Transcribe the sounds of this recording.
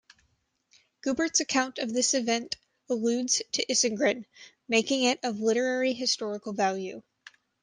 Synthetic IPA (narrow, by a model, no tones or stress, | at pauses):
ɡ̥ʉbə˞tsɨkʰãʊ̃ntʌvðɪsɨvɛ̃nt | əlʉdz̥tʰɨʔɪsɨ̃ŋɡɹɨ̃n | meɪkɪ̃ŋɪɾʌvlɪɾə˞ɛɹiɦɨstɔɹəkl̩ˠvælˠjʉ̰